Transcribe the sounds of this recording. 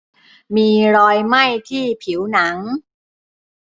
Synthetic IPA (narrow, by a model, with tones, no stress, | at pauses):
miː˧ɾɔː˧jma˥˩jt̪ʰiː˥˩pʰi˩˦wna˩˦ŋ